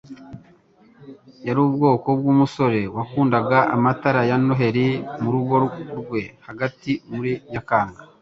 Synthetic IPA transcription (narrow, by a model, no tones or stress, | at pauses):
jaɾuːbɡo̞ːko̞b̚ɡuːmuso̞ɾe̞wakuːndaɡaʔamataɾajanoɦe̞ɾimuɾuɡo̞ɾɡwe̞haɡatimuɾiɲakaːŋɡa